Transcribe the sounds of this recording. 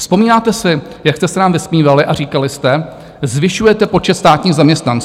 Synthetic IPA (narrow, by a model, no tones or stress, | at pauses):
fspo̞miːnaːt̪ɛsɪ | jakst̪ɛsɛnaːmvɪsmiːvalɪʔaɾiːkalɪst̪ɛ | zvɪʃujɛt̪ɛpo̞t͡ʃɛt̪st̪aːt̪ɲiːɣzamɲɛst̪nant͡s